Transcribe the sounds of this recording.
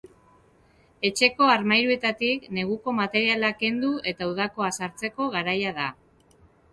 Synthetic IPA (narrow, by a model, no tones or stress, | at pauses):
e̞t͡ʃe̞ko̞aɾmajɾue̞t̪at̪ikne̞ɣ̞uko̞mat̪e̞ɾialake̞nd̪uʔe̞t̪auðako̞asaɾt͡se̞ko̞ɣaɾajaða